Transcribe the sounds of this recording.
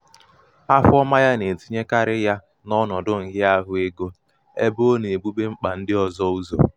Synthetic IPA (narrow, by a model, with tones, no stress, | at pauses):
a˦fʊ˦ɔ˦ma˦ja˦ne˨ti˦ɲe˦ka˦ɾɪ˦ja˦ | nɔ˦nɔ˨dʊ˦ŋ̩˨ɦɪ˦a˦ɦʊ˦e˦ɡo˦ | e˦bo˦ne˨e˨ɡ͡bu˦be˦ŋ͡m̩˦k͡pa˨n̩˦dɪ˦ɔ˨zɔ˦u˦zo̰˨